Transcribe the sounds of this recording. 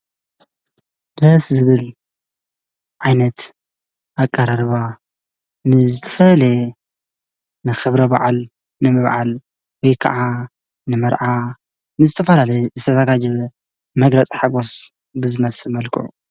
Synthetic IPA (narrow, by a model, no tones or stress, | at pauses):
d̪ɐszɨβɨl | ʕajnɐt̪ | ʔakʼːɐɾaɾɨβa | nɨzɨt̪ʰɐ̥fɐle | nɨxɨβɾɐba̰ʕal | nɨmɨβʕal | wɔjkʰɐ̰ʕa | nɨmɐɾʕa | nɨzɨt̪ʰɐfɐlalɐjzɨt̪ʰɐzaɡad͡ʒɐβ | mɐɡɾɐt͡sʼiħaɡo̞s | bɨzɨmɐsɨmɐlkʰɨ̰ʕu